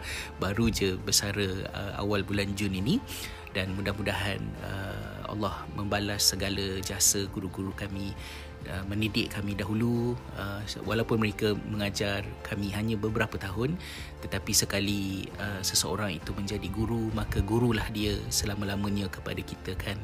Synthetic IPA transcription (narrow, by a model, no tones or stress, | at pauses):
baɾud͡ʒəbəsaɾəə̰a̰walbuland͡ʒʊnini | danmudahmudaɦanə̰ | a̰lːɔhməmbalasːəɡaləd͡ʒəasəɡuɾuɡuɾukami | əmə̃nidɪʔkamĩdaɦulu | əwʔa̰lawpʊnməɾekəməŋad͡ʒarkʰamĩɦaɲãbəbəɾapət̪aɦʊn | t̪ət̪apisəkaliəsəsəo̰ɾaŋit̪umə̃ɲd͡ʒadiɡuɾumakəɡuɾulahdiəsəlamalaməɲãkə̥pa̰dakit̪əkʰan